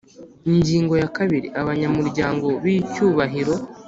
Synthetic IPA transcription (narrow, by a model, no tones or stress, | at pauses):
iɲɟiːŋɡo̞jakaβiɾiaβaɲamuɾɟaːŋɡo̞βicuːβaɦiɾo̞